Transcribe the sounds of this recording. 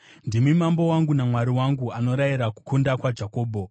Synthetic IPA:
ndimimambo̞waŋɡunamwaɾiwaŋɡuano̞ɾajiɾaku̥kundakwad͡ʒako̞ːbʱo̞

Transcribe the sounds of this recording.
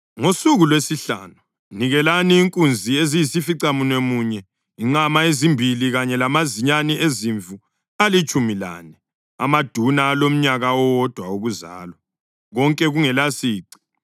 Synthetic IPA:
ŋosuɣulwesiɬa̰ːnu | niɣɛlaniːŋkʼund͡zʱiezijisifiǀamunemuːɲɛ | iŋ͡ǃamaezimbʱiliɣaɲɛlamaziɲaniʔeziɱvu | alit͡ʃʼumila̰nɛ | a̰mad̥ʱunaːlom̩ɲaɣaɔwɔd̥ʱwauɣuza̰ːlɔ | ɣɔŋkʼɛɣuŋɛlasiːǀi̥

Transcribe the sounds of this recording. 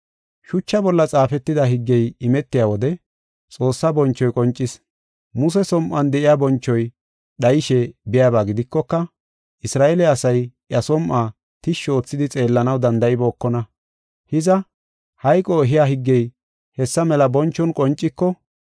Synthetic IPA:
ʃʊt͡ʃːɐbɔlːɐt͡sʼaːfɛt̪ːɪd̪aɦɪɡːɛjɪmɛt̪ːɪjaːwɔd̪ɛ | t͡sʼo̞ːsːɐbɔnt͡ʃːɔjkʼɔnt͡ʃʼːɪs | mʊsɛsɔmʔɐnd̪ɛʔɪjaːbɔnt͡ʃːɔj | ɗɐjɪʃɛbɪjaːbaːɡɪd̪ɪkːɔkːɐ | ʔɪsɾaːʔelɛɐsɐjʔjɐsɔmʔaː | t̪ɪʃo̞ːt͡sːɪd̪ɪt͡sʼe̞ːlːɐnɐwd̪ɐnd̪ɐʔɪbo̞ːkːɔnɐ | hɪzɐ | hɐjkʼɔɛɦɪjaːɦɪɡːɛj | hɛsːɐmɛlɐbɔnt͡ʃːɔnkʼɔnt͡ʃʼːɪkːɔ

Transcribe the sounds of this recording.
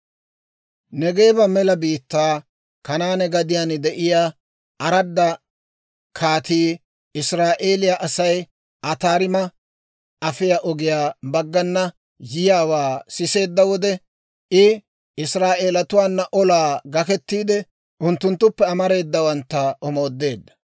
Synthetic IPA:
nɛɡe̞ːbɐmɛlɐbiːt̪ːaː | kɐnaːnɛɡɐd̪ɪjaːnd̪ɛʔɪjaː | ɐɾɐd̪ːɐ | kʰaːt̪iː | ɪsɾaːʔe̞ːlɪjaʔɐsɐj | ʔɐt̪aːɾɪmɐ | ʔɐfɪjaʔɔɡɪjaːbɐɡːɐnːɐ | jɪjaːwaːsɪse̞ːd̪ːɐwɔd̪ɛ | ʔɪ | ɪsɾaːʔe̞ːlɐt̪ʊwaːnːɐʔɔlaːɡɐkɛt̪ːiːd̪ɛ | ʔʊnt̪ːʊnt̪ːʊpːɛɐmɐɾe̞ːd̪ːɐwɐnt̪ːɐʔɔmo̞ːd̪ːe̞ːd̪ːɐ̥

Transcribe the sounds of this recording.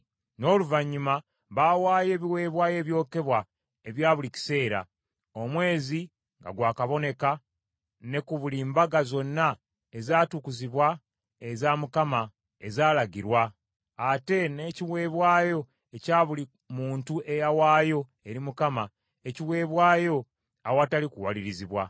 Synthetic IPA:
no̞ːluvaɲːuma | βaːwaːje̞ːβiwe̞ːβwaːje̞ːβjo̞ːke̞βwa | eβjaːβulici̥se̞ːɾa̰ | o̞mwe̞ːzi | ŋɡa̰ɡwaːkaβo̞ne̞ka | ne̞kuβuliːmbaɡazo̞nːa | ezaːtukuziβwa | ezamukama | e̞zaːlaɡiɾwaː | te̞ne̞ːciwe̞ːβwaːjo̞ | ecaːβuli | muːntuʔe̞jawaːjo̞ | e̞ɾimukama | eciwe̞ːβwaːjo̞ | awatalikuwaliɾiziβwa

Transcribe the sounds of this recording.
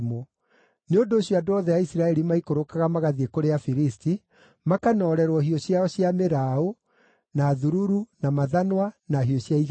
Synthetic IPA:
mo | neondoːɕjoadoɔðɛjaisɾaɛɾimaikoɾokaɣamaɣaðiekoɾeafiɾisti | makanɔːɾɛɾwɔhiɔɕjaɔɕjameɾao | naːðuɾuɾunamaðanwanaɦijɔɕjaiɣ

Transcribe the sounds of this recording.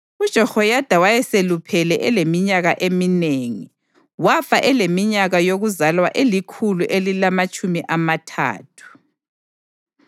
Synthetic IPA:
ud̥ʒ̥ʱɔhɔjad̥ʱawajɛselupʰɛlɛʔɛlemiɲaɣaʔemineːŋi | wafaʔɛlemiɲaɣajoɣuzalwaʔelikʰuluʔelilamat͡ʃʼumiʔamatʰa̰ːtʰu̥

